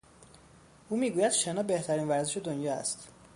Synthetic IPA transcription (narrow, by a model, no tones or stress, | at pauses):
ʔuːmiːɡuːjæd̪̥ʃenɒːbe̞ht̪ʰæɾiːnvæɾzeʃed̪onjɒːæ̰st̪